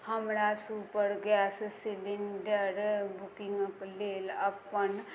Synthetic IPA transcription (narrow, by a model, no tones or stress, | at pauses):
həmɾasupəɾɡɛssid̪inɖ̪əɾbʱukiŋɡəkleləpən